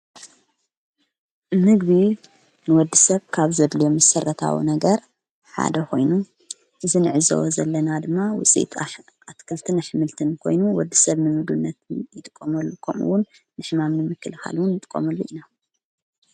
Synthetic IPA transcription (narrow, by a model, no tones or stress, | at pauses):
mɨɡβi | nɨwɔd̪ːisɐβkʰaβzɐd̪lijomɐsɐrːɐt̪ʰa̰wḭnɐɡɐɾ | ħa̰d̪ɐkʰo̞̰jnu | ʔɨzinɨʕɨzɐ̰wozɐlːɐnad̪ɨmːawʊ̰t͡sʼḭt̪ʰ | at̪kʰɐlt̪ʰɨnaħɨmɨlt̪ʰɨnkʰo̞̰jnuwɔd̪ːisɐβnɨmɨɡbɨnːɐt̪jɪt̪ʼɨkʼːomɐlːukʰɐmṵwʊnː | ɨħmamnɨmɨkʰːɨlɨxa̰lwʊnjɨt̪ʼɨkʼːo̰mɐlːuʔina